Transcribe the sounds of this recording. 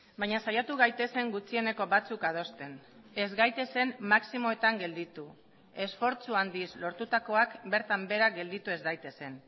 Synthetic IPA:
bajɲasajat̪uɣajt̪e̞se̞ŋɡut͡sie̞ne̞ko̞βat͡sukað̞o̞st̪e̞n | e̞zɡajt̪e̞se̞nmaksimo̞e̞t̪aŋɡe̞ld̪it̪u | e̞sfo̞ɾt͡suand̪islo̞ɾt̪ut̪ako̞akbe̞ɾt̪ambe̞ɾaɡe̞ld̪it̪ue̞zɣajt̪e̞se̞n

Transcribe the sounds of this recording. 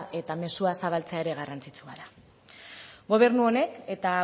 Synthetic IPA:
ʔe̞t̪ame̞suasaβ̞alt͡seaeɾe̞ɣarant͡sit͡suaɾa | ɡo̞β̞e̞ɾnuo̞ne̞ke̞t̪a

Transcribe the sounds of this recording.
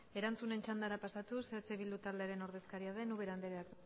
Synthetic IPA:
e̞ɾant͡sune̞nt͡ʃand̪aɾapasat̪uset͡seβild̪ut̪ald̪e̞aɾe̞no̞ɾðe̞skaɾiað̞e̞nuβe̞ɾand̪eɾeak

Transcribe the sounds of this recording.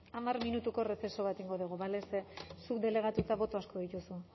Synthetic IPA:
amarminut̪uko̞refeso̞βat̪iŋɡo̞ðuɣ̞uβalesesukd̪e̞le̞ɣ̞at̪ut̪aβo̞t̪o̞asko̞ðit̪usu

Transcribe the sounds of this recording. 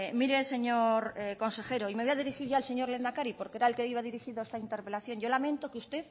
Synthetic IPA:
miɾe̞se̞ɲo̞ɾko̞nse̞xe̞ɾoime̞βojaðiɾixiɾʝaːlse̞ɲo̞ɾle̞nd̪akaɾipo̞ɾkee̞ɾaelkeiβaðiɾixiðoest̪aint̪e̞ɾpe̞laθjo̞nʝo̞lamẽ̞nt̪o̞keust̪e̞θ

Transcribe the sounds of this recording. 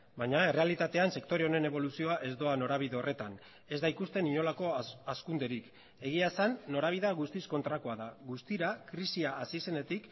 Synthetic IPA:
baɲae̞re̞alit̪at̪e̞anse̞kt̪o̞ɾe̞one̞ne̞β̞o̞lusio̞aʔe̞zd̪o̞ano̞ɾaβ̞iðe̞o̞re̞t̪an | e̞zd̪aikust̪e̞niɲo̞lako̞askund̪e̞ɾik | e̞ɣ̞iasanːo̞ɾaβ̞iðaɣust̪isko̞nt̪ɾakoaðaɣust̪iɾakɾisiaːsise̞ne̞t̪ik

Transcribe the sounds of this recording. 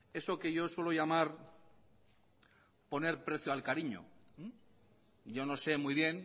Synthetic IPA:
e̞so̞ke̞ʝo̞swe̞lo̞ʝamaɾ | po̞ne̞ɾpɾe̞θjoalkaɾiɲo̰ | ɟ͡ʝo̞no̞se̞mujβ̞je̞n

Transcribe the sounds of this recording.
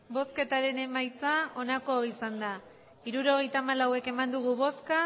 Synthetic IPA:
bo̞ske̞t̪aɾe̞ne̞majt͡sao̞nako̞isand̪a | iɾuɾo̞ɣ̞e̞jt̪aːmalawe̞ke̞mand̪uɣ̞uβo̞ska

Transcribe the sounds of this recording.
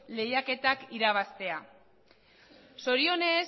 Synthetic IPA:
le̞jake̞t̪akiɾaβ̞ast̪e̞a | so̞ɾio̞ne̞

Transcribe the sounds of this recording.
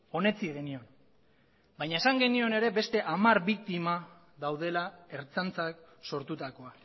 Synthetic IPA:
o̞ne̞t͡siɣe̞nio̞n | baɲaesaŋɡe̞nio̞ne̞ɾe̞be̞st̪e̞ʔamaɾβik̚t̪ima | ðawð̞e̞lae̞ɾt͡sant͡sakso̞ɾt̪ut̪ako̞a

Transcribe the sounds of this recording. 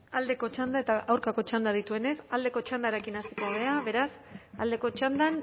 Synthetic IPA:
ald̪e̞ko̞t͡ʃand̪ae̞t̪aʔawɾkako̞t͡ʃand̪aðit̪ue̞ne̞sald̪e̞ko̞t͡ʃand̪aɾe̞kinasiko̞βe̞aβe̞ɾas | a̰ld̪e̞ko̞t͡ʃand̪an

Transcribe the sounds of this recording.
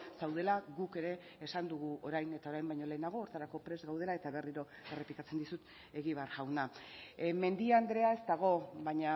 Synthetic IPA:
sawð̞e̞laɣuke̞ɾe̞ːsand̪uɣuoɾajne̞t̪ao̞ɾajmbajɲo̞le̞ːnaɣ̞o̞ːɾt̪aɾako̞pɾe̞zɣawð̞e̞lae̞t̪aβe̞riɾo̞ | e̞replikat͡se̞nd̪isut̪ | e̞ɣiβeaɾɣawna | me̞nd̪iand̪ɾe̞ae̞st̪aɣ̞o̞βaɲa

